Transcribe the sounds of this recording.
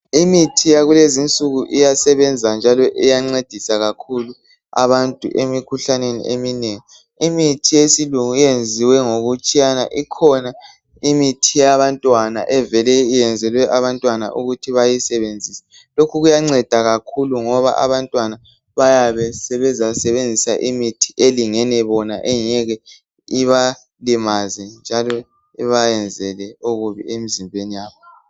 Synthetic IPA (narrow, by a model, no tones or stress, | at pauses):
imitʰijaɣulezint͡sʼuɣuʔijasɛβɛnd͡zʱand͡ʒʱalɔʔijaŋ͡ǀed̥ʱisaɣakʰulu | a̰βantʼṵʔemikʰuɬanenḭʔeminɛjɔ | imitʰijesiluŋujend͡zʱiwɛŋoɣut͡ʃʼijana̰ʔikʰɔna | imitʰijaβantʼwana̰ʔɛvɛlɛijɛnd͡zʱɛlwɛʔaβantʼwana̰ʔuɣutʰiβajisɛβend͡zʱisɛ̥ | lokʰuɣujaŋ͡ǀɛd̥ʱaɣakʰuluŋɔβa̰ʔa̰βantʼwana | βajaβɛsɛβɛzasɛβend͡zʱisaʔimitʰi̥ʔeliŋɛnɛβɔna̰ʔɛɲɛɣɛ | iβa | limazɛnd͡ʒʱalɔ | iβajɛnd͡zʱɛlɛoɣuβḭemizimbʱenijaːβɔ